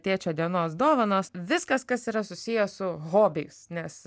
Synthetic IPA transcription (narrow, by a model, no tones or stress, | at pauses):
t̪ʲiɛt͡ʃʲoːd̪ʲiɛnoːsd̪oːʋɐnoːsʋʲɪskɐskɐsiːɾɐsʊsʲɪjosʊɣoːbʲɪjʊsnʲɛs